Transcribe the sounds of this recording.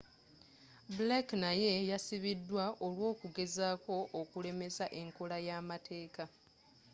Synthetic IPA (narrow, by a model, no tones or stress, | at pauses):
blaknaje̞jasiβidːwaʔo̞lwo̞ːkuɡe̞zaːko̞ʔːkule̞me̞zaʔe̞ŋkolajaːmatʰe̞ːka